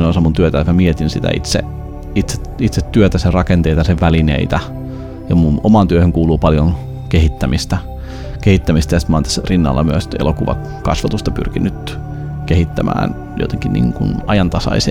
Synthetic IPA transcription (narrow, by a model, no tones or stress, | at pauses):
nosɑmunt̪yøt̪æjt̪mæmiet̪insit̪æ̰ḭt̪sḛ | it̪se̥t̪it̪set̪ːyøt̪æserɑkent̪eit̪ɑseʋʋælinḛit̪æ | jɑmunomɑnt̪yøhøŋkuːluːpɑljon | kehit̪ːæmist̪æ | kehit̪ːæmist̪æjsi̥t̪mɑˑːnt̪æsːrinːɑ̰lːɑmyøst̪ḛlokuʋɑ̰ | kɑsʋɑt̪ust̪ɑpy̰rkinyt̪ | kehit̪ːæmæ̰ːn | jo̰t̪eŋkinnḭːŋkunɑjɑnt̪ɑsɑ̰ise